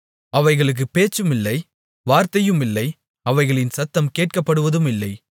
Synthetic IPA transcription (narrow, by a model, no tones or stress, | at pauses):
ɐʋɐɪɣɐɭɯk̬ːɯpeːt͡ʃːɯmɪlːɐɪ | ʋaːɾt̪ɐjɯmɪlːɐɪ | ɐʋɐɪɣɐɭɪnsɐt̪ːɐmkeːʈ̚kɐpːɐɽɯʋɐðɯmɪlːɐɪ